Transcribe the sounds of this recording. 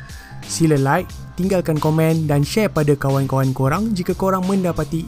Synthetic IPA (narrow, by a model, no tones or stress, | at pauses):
siləlajʔ | t̪iŋɡalkankomɛ̃ndanʃɛpadakawankawankoɾaŋd͡ʒikakoɾaŋmə̃ndapat̪i